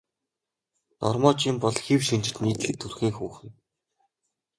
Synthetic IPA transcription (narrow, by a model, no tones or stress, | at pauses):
nɔ̰rmɔːt͡ɕɪmpɔɮxiwʃint͡ɕɪ̆ɮniːt̪ɮɘ̆k̚t̪ʰurxiːŋxuːχɘ̆n